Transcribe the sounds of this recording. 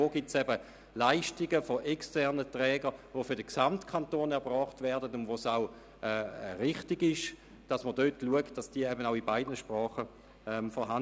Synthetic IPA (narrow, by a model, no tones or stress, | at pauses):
oːɡitsɛbə | laɪʃtɪɡəfoʔɛkstɛʁnətʁɛːɡəvofʏɐdəksamtkʰantoːnɛɐbʁɔːχtvɛɐdətʊndʋosaʊ | ʔɛːʁɪχtɪɡɪʃ | d̥ɑsmədøtluəkt̚d̥ɑsd̥iːəɛbənaʊibaɪdnəʃpʁɔːχə | ɛmfɔɦan